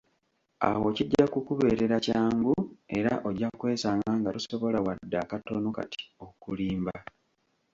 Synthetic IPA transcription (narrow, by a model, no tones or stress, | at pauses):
a̰wo̞ciɟːakukuβe̞ːɾe̞ɾacaːŋɡue̞ɾa̰ʔo̞ɟakwe̞ːsaːŋɡaŋɡatuso̞βo̞lawadːakatonoka̰ti̥o̞kuliːmba